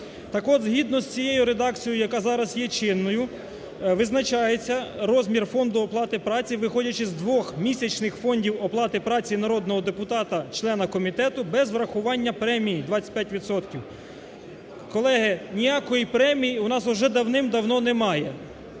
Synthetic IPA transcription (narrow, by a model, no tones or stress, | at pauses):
t̪ɑkɔd̪zɦʲid̪nɔsʲt͡sʲijejʊɾed̪ɑk̚t͡sʲijɔjʊjɐkɑzɑɾɐzjɛt͡ʃɪnːɔjʊ | ʋɪznɐt͡ʃɑjet͡sʲːɐɾɔzʲmʲirfɔnd̪ʊɔplˠɑt̪ɪpɾɑt͡sʲiʋɪxɔdʲɐt͡ʃɪzd̪ʋɔxmʲisʲɐt͡ʃnɪxfɔnʲdʲiwɔplˠɑt̪ɪpɾɑt͡sʲinɐɾɔd̪̚nɔɦɔd̪epʊt̪ɑt̪ɐt͡ʃlˠɛnɐkɔmʲit̪ɛt̪ʊbɛzʋɾɐxʊʋɑnʲːɐpɾɛmʲijid̪ʋɑt͡sʲːɐ̥pʲjatʲʋʲit̪sɔt̪kʲiw | kɔlˠɛɦɪnʲijakɔjipɾɛmʲijiʊnɑsʊʒɛd̪ɐwnɪmd̪ɐwnɔnɛmɑjɛ